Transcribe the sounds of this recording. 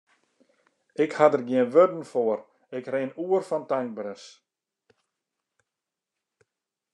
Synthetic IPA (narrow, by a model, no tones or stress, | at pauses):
ɪkhadərɡjɪənʋødn̩foər | ɪkreːnuərfɔntaŋ̚bɾəs